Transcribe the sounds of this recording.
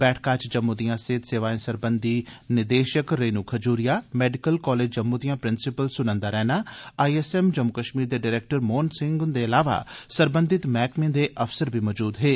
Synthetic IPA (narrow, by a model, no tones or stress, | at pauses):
b̥ɛːʈʰkaːt͡ʃd͡ʒəmːud̪ijãːseːt̪seːʋaːẽsəɾbənd̪iːnɪd̪eːʃəkɾeːnuːkʰəd͡ʒuːɾɪjaːmɛːɖɪkəlkɔːleːd͡ʒd͡ʒəmːud̪ijãːpɾɪnsɪpəlsʊnə̃nd̪aːɾɛːnaːaːiesɛːmd͡ʒəmːʊkəʃmiːɾd̪eːɖɪːɾeːk̚ʈəɾmoːnsɪ̃ŋɡd̪eːɐlaːʋa̰ːsəɾbə̃nd̪ʱɪt̪mɛːkmẽd̪eʔəfsəɾbʱimɔːd͡ʒuːd̪ɦeː